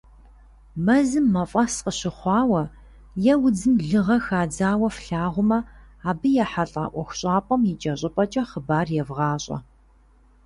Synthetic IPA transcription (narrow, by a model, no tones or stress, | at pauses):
mɐzɨmːɐfʼɐsqəɕɪχʷɑːwɐ | jɛwʊd͡zɨmɮɨʁɐxaːd͡zaːwɐfɬaːʁʷʊmɐ | aːbɨjɛħaɬʼa̰ːʔʷɔxʷɕʼɑːpʷʼɐmjɪt͡ʃʼɐɕʼɪpʼɐt͡ʃʼɐχəbaːrjɛvʁɑːɕʼɐ̰